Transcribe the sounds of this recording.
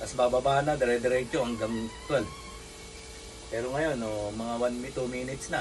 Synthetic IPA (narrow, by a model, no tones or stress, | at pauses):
t̪ɐsbaːbabaːʔɐnːɐd̪ɛɾɛd̪ɛɾɛt͡ʃohɐŋɡɐmɐk̚t̪wɛlb | pɛːɾoŋɐjo̞nomɐŋawanmɪt̪umiːnɪt̪snɐ